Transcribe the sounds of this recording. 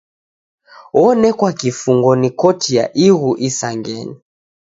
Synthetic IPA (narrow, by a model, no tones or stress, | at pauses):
ɔnɛkwakifuŋɡɔnikɔtija̰ʔiɣuʔisaŋɡɛ̰ni